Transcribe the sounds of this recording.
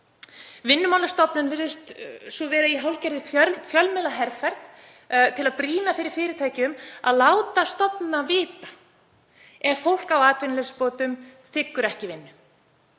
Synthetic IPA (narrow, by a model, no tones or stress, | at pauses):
vɪnːʏmawlast̪ɔpnʏnvɪɾðɪst̪sɔvɛːɾaiɦawlcɛɾðɪfœfjœlmɛlaɦɛɾfɛɾθ | t̪ʰɪlaðpɾiːnafɪɾɪɾ̥fɪːɾɪɾt̪ʰaːjcʏma̰ðlaːwt̪ast̪ɔpnavɪːt̪ḁ | ɛɾ̥fowl̥kawaːt̪vɪnlespoːt̪ʏmθɪkːʏɾɛhcɪvɪnːʏ